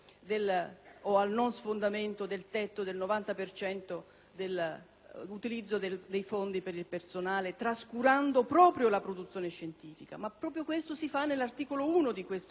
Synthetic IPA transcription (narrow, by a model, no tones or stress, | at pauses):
d̪eloalnonsfond̪ament̪od̪elt̪ɛt̪ːod̪elnovant̪apert͡ʃɛnt̪o | d̪el | ut̪ilid̪zːod̪ed̪ejfond̪ipeɾilpersonaːlet̪ɾaskuɾand̪opɾɔːpɾjolapɾod̪ut̪sːjoːneʃːent̪iːfika̰mapːɾɔːpɾjokwest̪osifanːelart̪iːkolouːnod̪ikwest̪